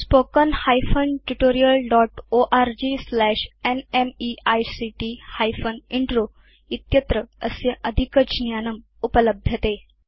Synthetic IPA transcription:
spokənhajfənʈuʈoɾijəlɖɔʈoʔaɾd͡ʑislæɕenemiajsiʈihajfəniɳʈɾo | it̪jət̪ɾəəseʔəd̪ʱikəd͡ʑnjanəm | upələbʱjət̪e

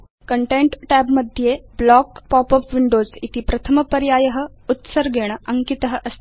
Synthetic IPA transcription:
kəɳʈeɳʈʈæbməd̪ʱjeblɔkpɔpəpʋiɳɖozit̪ipɾɐt̪ʰəməpəɾjaːjəɦə̆ut̪səɾɡʱeɽ̃əʔəŋkit̪əɦəʔəst̪

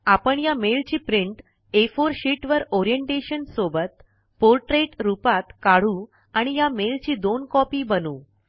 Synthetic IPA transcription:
apəɳjamelt͡ɕiːpɾiɳʈ | efoɾɕiʈʋəɾɔɾijəɳʈeɕənsobət̪̚ | poɾʈɾeʈɾupat̪kaɽ̤uː | aɽ̃ijamelt͡ɕiːd̪onkɔpiːbənuː

